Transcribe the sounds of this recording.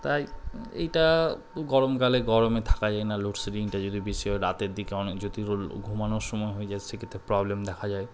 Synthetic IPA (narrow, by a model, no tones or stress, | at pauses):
t̪ajḛjʈa | ɡɔɾomkaleɡɔɾomet̪ʰḁkad͡ʑaenaloʈseɾiŋʈad͡ʑod̪ʱibiʃɔeɾat̪eɾd̪ikeɔnekd͡ʑot̪iɾolɡʱumanoɾʃɔmɔeɦoed͡ʑaesʰekʰet̪ʰːepɾɔblemd̪ɛkʰad͡ʑae